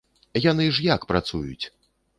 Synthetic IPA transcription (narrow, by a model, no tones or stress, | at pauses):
jan̪ɨʐjakpɾat̪sujṵt͡sʲ